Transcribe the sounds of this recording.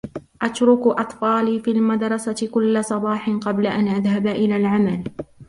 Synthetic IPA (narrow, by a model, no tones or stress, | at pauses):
ʔat̪ɾʊkʔɑt̪ˤfɑːliːfiːlmad̪ɾˤɑsakʊlːasˤɑbɑːħɪnqɑblaʔanʔaðhabaʔɪlaːlʕamal